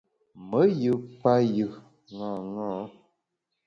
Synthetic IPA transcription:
mə˨˦jɨ˨pa˦jɯ˨ | ŋã˨ŋɔ̃˦

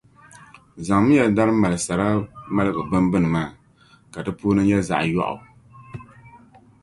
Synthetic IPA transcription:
za˨ŋmɨ˦jɛ˨da˦ɾɨ˦ma˨lɨ˨sa˨ɾa˦ma˦lɨ˦ɡɨ˨bɨ˦mbɨ˦nɨ˨maː˦˨ | ka˨dɨ˦puː˦nɨ˦ɲɛ˦za̰˨ʔjɔ̰˦ʔʊ̰˨

